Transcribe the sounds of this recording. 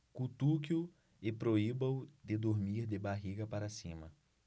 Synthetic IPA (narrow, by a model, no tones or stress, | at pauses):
kut̪uk̬ju | ɪpɾoibɐ̃wd̪ɪd̪oɾmiɾd̪ɪbaɦiɡɐpaɾɐsĩmɐ